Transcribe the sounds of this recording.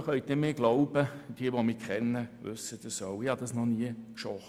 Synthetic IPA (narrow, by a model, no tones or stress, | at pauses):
χœʏtnɪmeːɡ̥loʊb̥əd̥iəʋomiːkʰχɛnːəʋɵ̰səd̥əsoʊɪhɑd̥ɑsnɔniəkʃɔχ